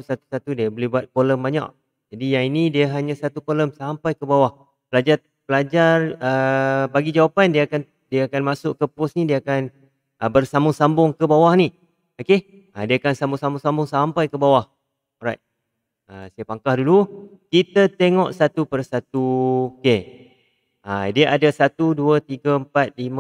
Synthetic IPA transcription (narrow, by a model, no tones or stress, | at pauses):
sat̪u̥sat̪udiəbolɛhbuat̪̚koləmbaɲa̰ʔ̚ | d͡ʒadijaŋinidiəɦaɲãsat̪ukoləmsampajkəbawah | pəlad͡ʒar | pəlad͡ʒarəbaɡid͡ʒawapandiəkan | diaːkanmasʊʔkəpʊsnidiəːkan | əbərsambʊŋsambʊŋkəbawahni | oke | adiakansambʊŋsambʊŋsambʊŋsampajkəbawah | ɾajt̪̚ | əsajapaŋkahdulu | kit̪ət̪eŋɔʔsat̪upərsat̪̚uke | a̰diaʔadasat̪uduət̪iɡəəmpat̪̚lim